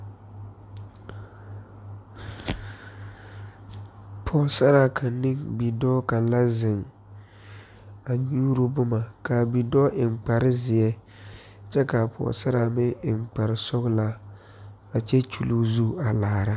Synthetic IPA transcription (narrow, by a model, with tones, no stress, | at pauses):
pʰɔː˨sa˦ɾa˨kʰa˨nːɪ̃˦ŋbi˨dɔ˦ka˨nla˦zɪ˨ŋ | a˨ɲuː˦ɾo˦bʊ˦ma˨ka˨bi˨dɔː˦ʔɪ˨ŋ͡mk͡pa˨ɾɪ˦zɪ˨ɛ˦ | t͡ʃɛ˦ka˨pʰɔ̰ː˨sa˦ɾa˨mɪ˦ɪ˨ŋ͡mk͡pa˨ɾɪ˨sɔ˦ɣla˦ | a˨t͡ʃɛ˦t͡ʃʰu˨lu˦zu˦a˨laː˨ɾa˦